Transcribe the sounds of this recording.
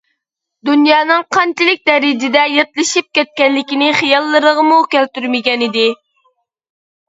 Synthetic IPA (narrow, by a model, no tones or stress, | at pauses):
d̪unjɑːnɨŋqʰɑnt͡ʃɪlɪk̚ʲd̪ɛɾɪd͡ʒɪd̪ɛjɑt̪lˠɨʃip̚kʲɛt̪̚kʲɛnːɪkʲinɪχijɑlˠːəɾəʁəmukʲælt̪yɾmɪɡʲɛnɪd̪ɪ